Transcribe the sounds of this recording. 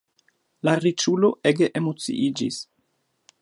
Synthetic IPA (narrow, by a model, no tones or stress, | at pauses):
laɾit͡ʃulo̞eɡeʔemo̞t͡sḭʔid͡ʒḭs